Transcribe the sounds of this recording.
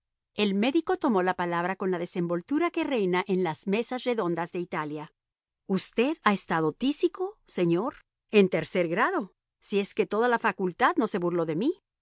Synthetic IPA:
e̞lme̞ðiko̞t̪omo̞lapalaβ̞ɾako̞nlaðe̞se̞mbo̞lt̪uɾake̞re̞jnaʔe̞nlaz̥me̞sasre̞ðo̞nd̪azðe̞it̪alja | ust̪e̞ðae̞st̪að̞o̞t̪isiko̞se̞ɲo̞ɾ | e̞nt̪e̞ɾse̞ɾɣɾaðo̞ | sie̞ske̞t̪o̞ðalafakult̪aðno̞se̞βuɾlo̞ðe̞mi

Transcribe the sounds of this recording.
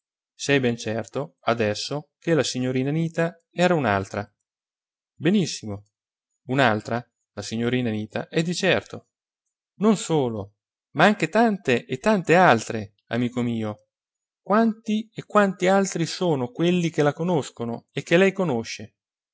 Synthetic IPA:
sɛjbɛnt͡ʃɛrt̪oad̪ɛsːokelasiɲːoɾiːnaniːt̪a | ɛːɾauna̰lt̪ɾa | benisːimo | unalt̪ɾa | lasiɲːoɾiːnaniːt̪a̰ʔɛd̪ːit͡ʃɛrt̪o | nonsoːlo | maaŋk̟et̪ant̪eʔet̪ːant̪ealt̪ɾe | a̰miːkomiːo | kwant̪iekːwant̪ialt̪ɾisoːnokwelːik̟elakonoskonoek̟ːelɛjkonoʃːe

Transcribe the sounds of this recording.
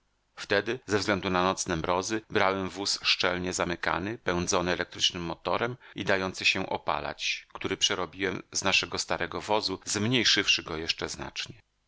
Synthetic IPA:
ft̪ɛd̪ɘzɛvzɡlɛnd̪unanɔt̪snɛmɾɔzɘbɾawɛmvusʂt͡ʂɛlɲɛzamɘka̰nɘpɛ̃w̃nd̪zɔnɘɛlɛk̚t̪ɾɘt͡ʂnɘmːɔt̪ɔɾɛmid̪ajɔnt̪sɘɕɛʔɔ̰pa̰la̰t͡ɕkt̪uɾɘpʂɛɾɔbʲiwɛmznaʂɛɡɔst̪aɾɛɡɔvɔzuzmɲejʂɘfʂɘɡɔjɛʂt͡ʂɛzna̰t͡ʂɲɛ

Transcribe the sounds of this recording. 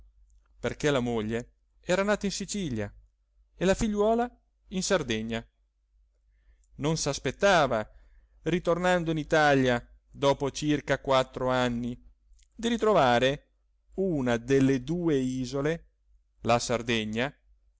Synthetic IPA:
perkelamoʎːe | ɛːɾanaːt̪ainsit͡ʃiʎja | elafiʎːwɔːla | insard̪ɛɲːa | nonsaspet̪ːaːva | rit̪ornand̪oinit̪aʎja | d̪ɔːpot͡ʃirkakwat̪ːɾoanːi | d̪iɾit̪ɾovaːɾe | uːnad̪elːed̪uːeiːzole | lasard̪ɛɲːa

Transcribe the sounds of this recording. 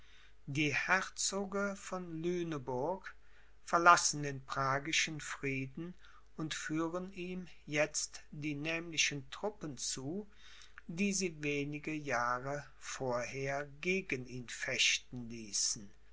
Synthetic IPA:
d̥iːhɛʁt͡soːɡəfɔnlyːnəbʊɐk | fɛɐlasn̩deːnpʁ̥aːɡɪʃən̩fʁ̥iːdn̩ | ʊntfyːʁəniːm | jɛt͡std̥iːnɛːmlɪʃəntʁ̥ʊpənt͡suː | diːziːveːnɪɡəjaːʁə | foːɐheːɐɡeːɡəniːnfɛʃtn̩liːsn̩

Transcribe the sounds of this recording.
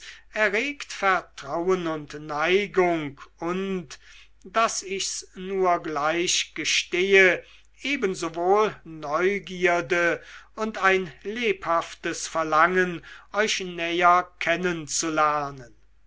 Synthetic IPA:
ʔɛɐʁeːktfɛɐtʁ̥awənʊntnaɪɡʊŋkʊnt | d̥asɪçsnuːɐɡlaɪɕɡ̥əʃteːə | ʔeːbənzovoːlnɔʏɡiːɐdəʊntaɪnleːphaftəsfɛɐlaŋənʔɔʏʃnɛːɐkʰɛnənt͡sulæɐnən

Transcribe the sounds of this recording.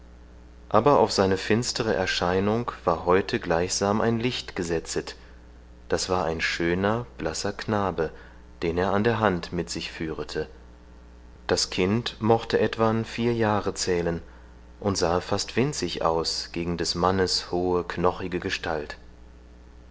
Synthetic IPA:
ʔaːbɐʔa̰ʊfz̥aɪnəfɪnstʰəʁ̞əʔɛɐʃaɪnʊŋv̥aːɐɦɔʏtʰəɡlaɪçz̥aːmʔa̰ɪnlɪçtɡ̥əzɛt͡sət | d̥asv̥aːɐʔaɪnʃøːnɐb̥lasɐkʰnaːbə | d̥eːneːɐandeːɐɦantmɪtz̥ɪçfyːʁətʰə | d̥askʰɪntmɔχtəʔɛtv̥anfiːɐjaːʁət͡sɛːlən | ʔʊntz̥aːfastv̥ɪnt͡sɪçʔa̰ʊsɡ̥eːɡŋ̩dɛsmanəshoːəknɔχɪɡəɡəʃtʰalt

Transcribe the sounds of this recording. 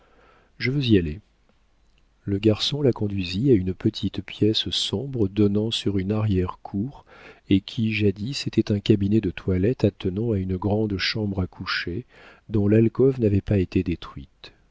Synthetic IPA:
ʒəvøziale | ləɡaʁsɔ̃lakɔ̃d̪ɥiziaynpət̪ʰit̪pjɛssɔ̃bʁəd̪ɔnɑ̃syʁynaʁjɛʁkʰuʁekʲʰiʒad̪iset̪ʰɛt̪ɛ̃kabinɛd̪ət̪ʰwalɛt̪at̪ənɑ̃aynəɡʁɑ̃d̪ʃɑ̃bʁakʰuʃe | d̪ɔ̃lalkɔvnavɛpaet̪ed̪et̪χɥit̪

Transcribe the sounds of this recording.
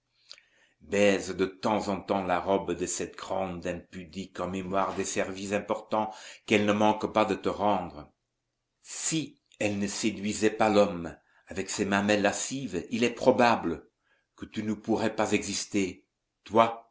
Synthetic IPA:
bɛzd̪ət̪ɑ̃zɑ̃t̪ɑ̃laʁɔbd̪əsɛt̪ɡʁɑ̃d̪ɛ̃pyd̪ikɑ̃memwaʁd̪esɛʁvisɛ̃pɔʁt̪ɑ̃kɛlnəmɑ̃kpad̪ət̪əʁɑ̃d̪ʁə | si | ɛlnəsed̪ɥizɛpalɔm | avɛksɛmɛ̃mɛlːasivilɛpχɔbablə | kət̪ynəpuʁɛpazɛɡzist̪e | t̪wa

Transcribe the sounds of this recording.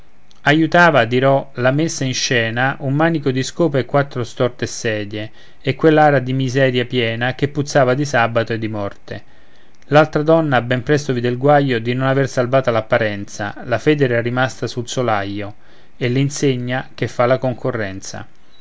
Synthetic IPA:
ajut̪aːvad̪iɾɔlamesːainʃɛːnaʔumːaːnikod̪iskoːpeekːwat̪ːɾost̪ɔrt̪esɛːd̪jeː | kːwelːaːɾad̪imizɛːɾjapjɛːnak̟epːut̪sːaːvad̪isabat̪oed̪ːimɔrt̪e | lalt̪ɾad̪ɔnːabːɛmpɾɛst̪ovid̪elɡwajːod̪inonaversalvaːt̪alapːaɾɛnt̪sa̰lafɛːd̪ɛɾarːimast̪asulsolajːo | elːeinseɲːakefːalakoŋkʰorːɛnt̪sa̰

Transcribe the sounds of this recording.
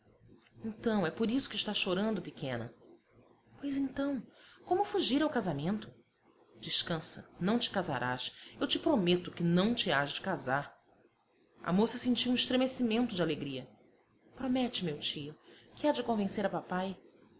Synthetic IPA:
ẽnt̪ɐ̃w̃ɛpoɾisʊ̥kɪʃt̪aʃoɾɐ̃nd̪ʊpɪkʰẽnɐ̰ | pojzẽnt̪ɐ̃w̃kõmʊfuʒiɾawkazamẽnt̪ʊ | d͡ʒɪʃkɐ̃sɐ̰nɐ̃w̃t͡ʃɪ̥kaza̰ɾʔa̰ʃewt͡ʃɪpɾomet̪ʊkɪnɐ̃w̃t͡ʃɪaʃd͡ʒɪkazaɾ | ɐ̰mosɐsẽnt͡ʃiwũiʃt̪ɾemesimẽnt̪ʊd͡ʒɪaleɡɾiɐ | pɾomɛt͡ʃɪmewt͡ʃiʊkɪad͡ʒɪkõvẽseɾɐpapaj

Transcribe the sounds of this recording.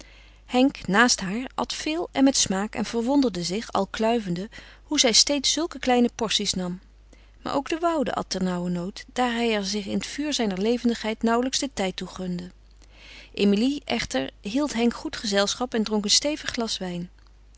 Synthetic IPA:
hɛŋknaːstɦaːɹɑ̰tfɪːlˠɛ̰nmɛtsmaːkɛ̰nv̥əɹʋɔndəɹdəzɪχɑ̰lˠklœɥvəndə | huzɛjstejtsːɵlˠkəklɛjnəpɔɹsisnɑm | ma̰ɹʔo̰wɡdəʋʌwdə̰ʔɑ̰t̚ɛɹnʌwənowtd̥aːɹɦɛjɛɹzɪχɪ̰nətfyːɹzɛjnəɹlejvəndəχɦɛjtnʌwləksdətɛjtuχɵndə | ʔemiliʔɛχtəɹɦilˠtɦɛŋkχutχəzɛlˠsχɑpɛndroŋkənstejvəχːlɑsʋɛjn

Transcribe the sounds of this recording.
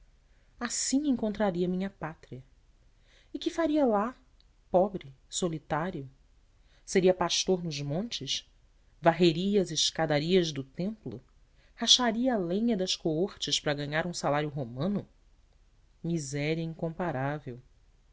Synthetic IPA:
asĩẽŋkõnt̪ɾaɾiɐmĩɲɐpat̪ɾiɐ | ɪkɪfaɾiɐla | pɔbɾɪ | solit̪aɾjʊ | seɾiɐpaʃt̪oɾnʊzmõnt͡ʃɪʃ | vaɦeɾiɐɐzɪʃkad̪aɾiɐʒd̪ʊt̪ẽmplʊ̰ | haʃaɾiɐːlẽɲɐd̪ɐʃkooχt͡ʃɪʃpɾɐɡɐ̃ɲaɾũsalaɾjʊɦomɐ̃nʊ | mizɛɾiɐĩŋkõmpaɾavew

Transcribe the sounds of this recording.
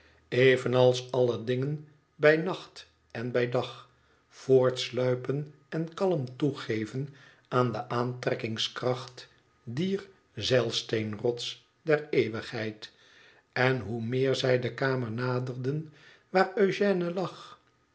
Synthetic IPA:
eɪvənɑlˠsɑlədɪŋən | bɛjnɑχt | ɛnbɛjdɑχ | foːɹtslœɥpən | ɛnkɑləmtuχejvən | ʔaːndəʔaːntrɛkɪŋskrɑχt | diːr | zɛlˠstenrɔts | dɛɹejʋəχɦɛjt | ɛnɦumɪːɹzɛjdəkaːməɹnaːdərdən | ʋaːrøɥʒɛːnəlɑχ

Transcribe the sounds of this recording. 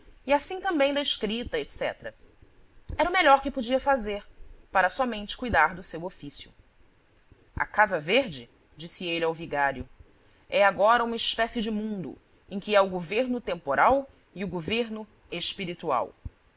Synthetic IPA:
iasĩt̪ɐ̃mbẽj̃d̪ɐɪʃkɾit̪ɐet̪sɛ̰t̪ɾɐ | ɛɾɐʊmeʎɔɾkɪpod͡ʒiɐfazeɾpaɾɐsɔmẽnt͡ʃɪ̥kujd̪aɾd̪ʊsewofisjʊ̰ | ɐ̰kazɐveɾd͡ʒɪ | d͡ʒisɪelawviɡaɾjʊ | ɛaɡɔɾɐũmɐɪʃpɛsɪd͡ʒɪmũnd̪ʊ̰ | ẽj̃kɪɛʊɡoveɾnʊt̪ẽmpoɾʔaw | iʊɡoveɾnʊ | eʃpiɾit̪ua̰w

